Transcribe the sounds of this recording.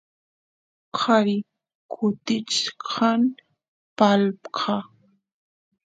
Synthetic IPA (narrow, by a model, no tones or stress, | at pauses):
qʰɑɾɪ | kʰʊt̪ɪt͡ʃqʰɑn | palpqʰɑ